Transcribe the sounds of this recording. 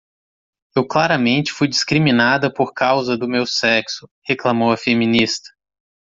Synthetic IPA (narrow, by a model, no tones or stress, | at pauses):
ewklaɾɐmẽnt͡ʃɪ̥fujd͡ʒiskɾimĩnad̪ɐpoɾkawzɐd̪ʊmewsɛksʊheklamowɐfemĩnist̪ɐ̥